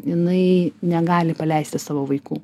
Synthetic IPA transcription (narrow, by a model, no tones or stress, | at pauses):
jɪnɐɪnʲɛɡɑːlʲɪpɐlʲɛɪsʲt̪ʲɪsɑːʋoːʋɐɪkuː